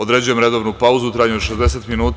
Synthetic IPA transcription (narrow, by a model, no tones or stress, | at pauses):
od̪ɾe̞d͡ʑuje̞mɾe̞d̪o̞ʋnupauzuut̪ɾaɲuoʃezd̪e̞set̪minuːt̪